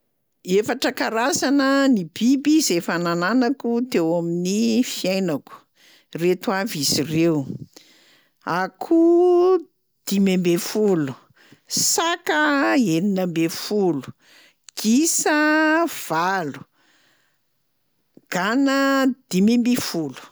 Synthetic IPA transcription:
efaʈ͡ʂəkaɾasanənibibizefanananakut̪ewaminifiajnaku̥ | ret̪uavizirew | akʰu | d̪̥imembefulu̥ | sakəeninambefulu̥ | ɡ̥isəv̥alu̥ | ɡ̥anəd̪̥imembifulu̥

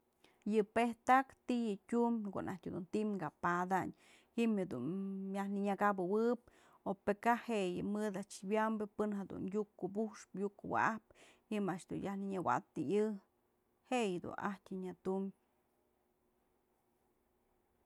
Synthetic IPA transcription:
jɨpeht̪akt̪ijɨtʲumʲko̰ʔnʔahtʲhed̪unt̪imŋɡapad̪aɲ | hiʔmhed̪ṵnjahnɨɲaɡabɨwɨp̚ | opekaheʔjɨmɨd̪aʔt͡ʃbjambɨpɨnɦed̪ṵnjukːubuʂpjukuwa̰ʔahp | himaʔaʃd̪unjahnɨɲɨwa̰t̪ɨjɨ | hejɨd̪ṵnʔa̰htʲɨɲat̪um

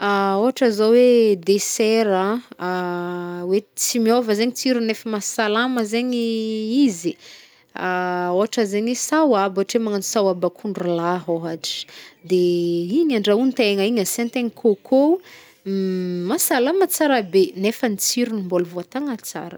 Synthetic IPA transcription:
aoɦaʈ͡ʂəzowed̪eseɾa | wet͡simiovəzeɲit͡siɾunefəmasalaməzeɲiizi | aoaʈ͡ʂəzeɲwesawaboaʈ͡ʂemaŋanisawabakʰuɳɖ͡ʐulaɦoɦaʈ͡ʂi̥d̪eiɲaɳɖ͡ʐaunt̪eŋaiɲəsent̪eŋikʰokʰo | masalamət͡saɾabenefənit͡siɾunimbolvoat̪aŋət͡sa̰ɾə̰

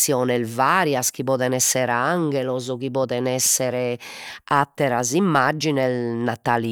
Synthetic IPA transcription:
jɔːnɛlvaɾjask̟iβɔːðɛnɛsːɛɾaŋɡɛlɔzɔkiβɔːd̪ɛnɛsːɛɾɛat̪ːɛɾazimːad͡ʒːinɛlnat̪ali

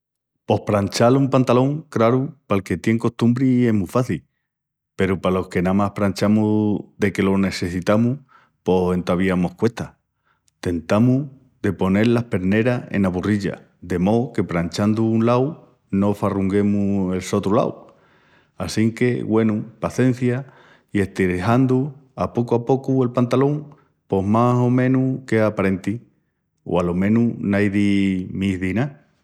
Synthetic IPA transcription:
po̞hpɾant͡ʃalumpant̪alo̞ŋkɾaɾupalke̞t̪je̞ŋko̞st̪umbɾie̞ɦmufaθil | pe̞ɾupalo̞hke̞namahpɾant͡ʃamuðe̞ke̞lo̞ne̞se̞sit̪amu | po̞se̞nt̪aβ̞iamo̞hkwe̞ht̪a | t̪e̞nt̪amu | ðe̞po̞ne̞ɾlahpe̞ɾne̞ɾae̞̰naβuriʎa̰ | d̪e̞mo̞ke̞pɾant͡ʃand̪uːnlaw | no̞faruŋɡe̞mue̞lso̞t̪ɾula̰w | asiŋke̞ɣwe̞nupaθe̞n̟θja | ie̞ht̪iɾeɦand̪uapo̞kuapo̞kue̞lpant̪alo̞ŋ | po̞ɦmaso̞mẽ̞nuke̞apaɾe̞nt̪i | o̰alo̞mẽ̞nunajðimihðina

